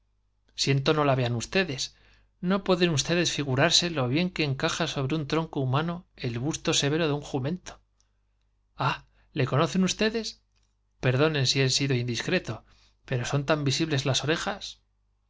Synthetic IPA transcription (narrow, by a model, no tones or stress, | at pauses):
sje̞nt̪o̞no̞laβe̞anust̪e̞ðes | no̞pwe̞ðe̞nust̪e̞ðe̞sfiɣ̞uɾaɾse̞lo̞β̞je̞ŋke̞ːŋkaxaso̞β̞ɾeunt̪ɾo̞ŋkoumãno̞e̞lβust̪o̞se̞βe̞ɾo̞ðeuŋxumẽ̞nt̪o̥ | a | le̞ko̞no̞θe̞nust̪e̞ðe̞s | pe̞ɾð̞o̞nẽ̞nsiensiðo̞ind̪iskɾe̞t̪o̞ | pe̞ɾo̞sont̪ambisiβle̞zlaso̞ɾe̞xas